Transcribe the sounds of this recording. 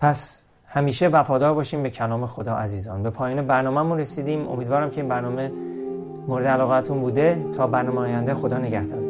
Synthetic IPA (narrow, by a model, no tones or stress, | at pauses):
pʰæs | hæmiːʃevæfɒːd̪ɒːɾbɒːʃiːmbe̞cʰænɒːmexod̪ɒːʔæziːzɒːnbe̞pʰɒːjiːnebæɾnɒːmæmunɾesiːd̪iːmo̰miːd̪vɒːɾæmcʲʰe̞iːnbæɾnɒːme̞ | moɾed̪eælɒːɣeæt̪ʰunbuːd̪e̞t̪ʰɒːbæɾnɒːmeɒːjænd̪exo̞d̪ɒːneɟæhd̪ɒ̰ːɾ